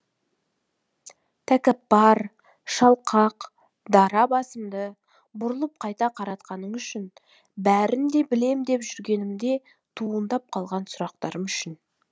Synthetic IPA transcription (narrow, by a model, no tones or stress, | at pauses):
t̪ʰækʲɪpːɑɾ | ʃɑlˠqʰɑq | d̪ɑɾɑbɑsəmd̪ə | bʊɾəlˠəp̚qʰɑjt̪ɑqʰɑɾɑt̪qɑnəɴʏʃɪn | bæɾɪnd̪e̞bɪle̞md̪e̞pʒʏɾɡʲe̞nɪmd̪e̞ | t̪ʰuənd̪ɑp̚qʰɑlˠʁɑnsʊɾɑq̚t̪ɑɾəmʏʃɪn